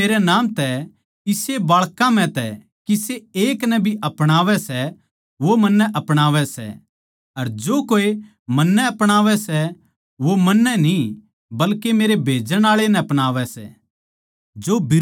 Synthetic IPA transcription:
eːɾɛnãːmt̪ɛ | ɪsebaːɭkãm̤ɛ̃t̪ɛ | kiseeːknɛbʱiʔɐpɽ̃aːʋɛsɛ | ʋomɐ̃nːɛʔɐpɽ̃aːʋɛsɛ̰ | ɐɾd͡ʒoːkoːe | mɐnːɛɐpɽ̃aːʋɛsɛ | ʋomɐnːɛni | bɐlkemeːɾebʱeːd͡ʒəɽ̃aːɭenɛɐpɽ̃aːʋɛsɛ̰ | d͡ʒobɪ

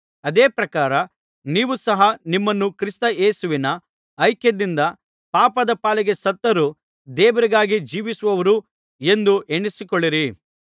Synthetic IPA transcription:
ɐd̪eːpɾɐkaːɾɐ | niːʋusɐɦɐnimːɐnːukɾist̪ɐeːsuʋinɐː | jkjɐd̪ind̪ɐ | paːpɐd̪ɐpaːlɛɡe̞sɐt̪ːɐɾu | d̪ɛːʋɐɾiɡaːɡid͡ʒiːʋisuʋɐʋɐɾu | e̞nd̪uʔeɳːisikoɭːiɾi

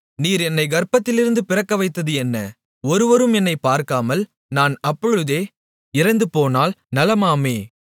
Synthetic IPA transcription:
niːɾɛnːɐɪɡɐɾpɐt̪ːɪlɪɾɯnd̪ɯpɪrɐkːɐʋɐɪt̪ːɐðɯɛnːɐ | ɔɾɯʋɐɾɯmɛnːɐɪpːaːɾkaːmɐl | naːnɐpːɔɻɯðeː | ɪɾɐnd̪ɯpoːnaːlnɐlɐmaːmeː

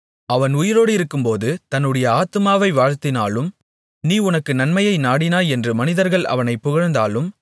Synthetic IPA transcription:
ɐʋɐnʊjɪɾoːɽɯɪɾɯkːɯmpoːðɯt̪ɐnːɯɽɐjɐaːt̪ɯmaːʋɐɪʋaːɻt̪ɪnaːlɯm | niːʊnɐkːɯnɐnmɐjɐɪnaːɽɪnaːɛndrɯmɐnɪðɐɾɣɐɭʔɐ̰ʋɐnɐɪpːʊɣɐɻnd̪aːlɯm

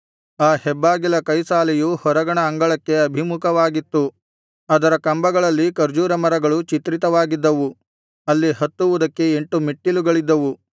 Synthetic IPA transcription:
aːhɛbːaːɡilɐkɐjsaːlɛjuhɔɾɐɡɐɳɐːŋɡɐɭɐkːe̞ɐbʱimukɐʋaːɡit̪ːu | ɐd̪ɐɾɐkɐmbɐɡɐɭɐlːikɐɾd͡ʒuːɾɐmɐɾɐɡɐɭut͡ʃit̪ɾit̪ɐʋaːɡid̪ːɐʋu | ɐlːiɦɐt̪ːuʋud̪ɐkːe̞eɳʈumiʈːiluɡɐɭid̪ːɐʋu

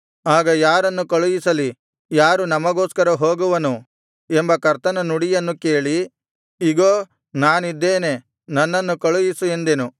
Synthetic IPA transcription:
aːɡɐjaːɾɐnːukɐɭujisɐli | jaːɾunɐmɐɡoːskɐɾɐɦoːɡuʋɐnu | embɐkɐɾt̪ɐnɐnuɽijɐnːuke̞ːɭi | iɡoː | naːnid̪ːe̞ːne̞ | nɐnːɐnːukɐɭujisuend̪enu

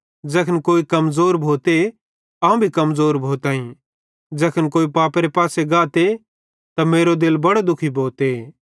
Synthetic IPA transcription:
d͡ʒɛːkʰənkoːikɐmzoːɾbʱoːt̪e | aːũbʱikɐmzoːɾbʱoːt̪ãːĩ | d͡ʒɛːkʰənkoːipaːpɾepaːseɡaːt̪e | t̪ameːɾod̪ɪlbɐɽod̪ʊkʰibʱoːt̪e

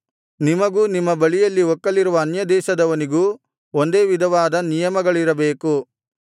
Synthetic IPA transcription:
nimɐɡuːnimːɐbɐɭijɐlːiɦɔkːɐliɾuʋɐːnjɐd̪ɛːʃɐd̪ɐʋɐniɡuː | ond̪e̞ːʋid̪ʱɐʋaːd̪ɐnijɐmɐɡɐɭiɾɐbe̞ːku

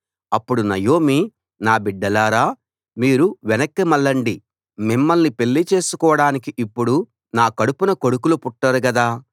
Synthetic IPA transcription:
ɐpːuɽunɐjo̞ːmi | naːbiɖːɐlaːɾaː | miːɾuʋɛnɐkːɐmɐlːɐɳɖi | mimːɐlnipe̞lːit͡ʃe̞ːsukɔːɐɽaːnikiʔipːuɽu | naːkɐɽupunɐko̞ɽukulupuʈːɐɾuɡɐd̪aː

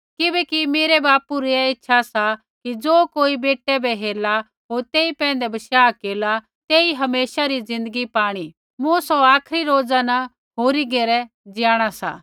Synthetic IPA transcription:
kɪbɛkimeːɾebaːpuɾiɛɪtːʃʰasa | kid͡zoːkoːibeːʈːɛbɛɦeːla | ɦoːɾt̪eːipɛ̃ːə̃n̆d̪ɛbɐʃjaːkeːla | t̪eːiɦɐmeːʃaɾid͡zɪ̃nd̪əɡipaːɽ̃i | mũsɔaːkʰɾiɾoːd͡zanɐ | ɦoːɾiɡeːɾɛ | d͡ʒjaːɽ̃asa̰ː

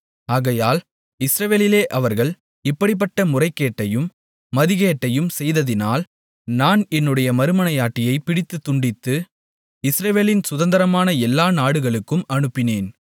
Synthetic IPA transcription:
aːɣɐjaːl | ɪsɾɐʋeːlɪleːʔɐʋɐɾɣɐɭ | ɪpːɐɽɪp̬ːɐʈːɐmʊrɐɪkːeːʈːɐjɯmː | ɐðɪɣeːʈːɐjɯmsɛjðɐðɪnaːl | naːnɛnːɯɽɐjɐmɐɾɯmɐnɐjaːʈːɪjɐɪpɪɽɪt̪ːɯt̪ːʊɳɖɪt̪ːɯ | ɪsɾɐʋeːlɪnsʊðɐnd̪ɐɾɐmaːnɐɛlːaːnaːɽɯɣɐɭɯkːɯmɐɳɯpːɪneːn

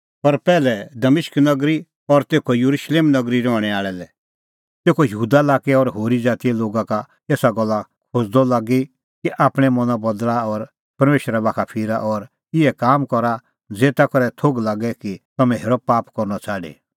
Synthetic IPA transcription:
pɐɾpɛːlɛd̪ɐmɪʃknɐɡɾi | ɔɾt̪eːkʰɔjuɾuʃleːmnɐɡɾiɾɔːɽ̃ɛaːɭɛlɛ | t̪eːkʰojɐɦuːd̪alaːkɛɔɾɦoːɾid͡zaːt̪iɛloːɡaka | eːsaɡɔlːakʰod͡zd̪ɔlaːɡi | kiʔaːpɽ̃ɛmɔnabɔd̪laɔɾ | pɐɾmeːʃɾɛbaːkʰapʰɪɾaʔɔɾ | ɪɛkaːmkɔɾa | d͡zeːt̪akɔɾɛt̪ʰoɡlaːɡɛkit̪ɐmɛ̃ɦeːɾɔpaːpkɔɾnɔt͡saːɖḛ

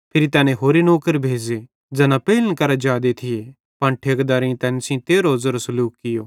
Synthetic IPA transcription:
pʰɪɾit̪ɛːnẽɦoːɾinoːkəɾbʱeːd͡ʒe | d͡zɛːnapeɪlənkɐɾad͡ʒaːd̪et̪ʰɪje | pɐ̃ɳʈʰeːkd̪aːɾĩt̪ɛːnsĩt̪eːɾoːzɐɾosɐluːkːɪjoː

